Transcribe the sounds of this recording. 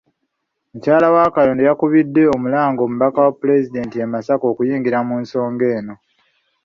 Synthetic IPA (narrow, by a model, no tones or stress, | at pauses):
mucaːlawakaloːndejakuβidːe̞o̞mulaːŋɡo̞ːmuβakawapːule̞zide̞ːntiemasako̞ːkujiːŋɡiɾamuːnso̞ːŋɡe̞ːno̞